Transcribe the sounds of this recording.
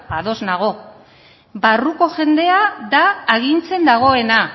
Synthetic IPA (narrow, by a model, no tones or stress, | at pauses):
aðo̞znaɣ̞o̞ | baruko̞ʝe̞nd̪e̞aðaːɣint͡se̞nd̪aɣ̞o̞e̞na